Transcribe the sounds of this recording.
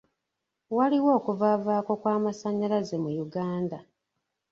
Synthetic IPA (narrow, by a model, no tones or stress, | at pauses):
waliwo̞ːkuvavaːko̞kwaːmasaɲalazemujuɡaːnda